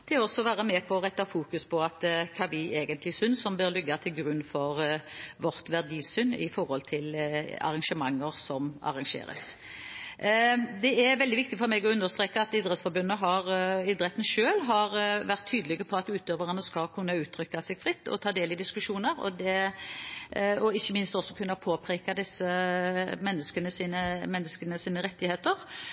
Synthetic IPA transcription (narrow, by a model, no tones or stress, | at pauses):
t̪ʰɛɔsːɔʋæːɾəmɛpʰɔʁɛt̪ːɑfuːkʉspʰɔɑt̪kʰɑːʋɪʔeːɡənt̪lɪsʏnsɔmbøːɾlʏɡːɑt̪ʰɪlɡɾʉnːfɔʁʋɔʁt̪ʋæʁd̪iːsʏnːɪ̰fɔɾhɔlt̪ʰɪlɑ̰ʁɑŋʂəmɑŋːəʁsɔmɑ̰ɾɑŋʂḛːɾə̰s | d̪ɛɛɾʋɛld̪ɪʋɪk̚t̪ɪfɔɾmɛɡɔʉnəst̪ʁeːkəɑt̪ɪd̪ʁət̪sfɔɾbʉnːəɦɑʁɪd̪ʁɛt̪ːn̩ʃøːlɦɑɾʋæʁt̪ʰːyːd̪əlɪɡəpʰɔɑt̪ʉːt̪øːʋəʁənəskɑlkʰʉnːɑʉːt̪ʰɾʏkːɑsɛɡfʁɪt̪ːɔ̰t̪ʰɑːd̪eːlɪd̪ɪskʉʂuːnəɾɔ̰d̪ɛ | ɔɪçːəmɪnst̪ɔsːɔkʰʉnːɑpʰoːpʰɾeːkɑd̪ɪsːə | mɛnːəskənəsiːnəmɛnːəskənəsiːnəɾɛt̪ːɪheːt̪əʁ